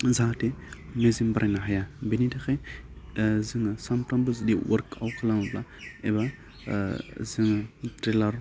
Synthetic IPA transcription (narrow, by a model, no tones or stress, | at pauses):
zatemezimbaɾʔenaɦjabenidaxe | ziŋəsampɾambuzdiwʔo̰ɾka̰wkalamblaeba | ziŋt̪ɾelaɾ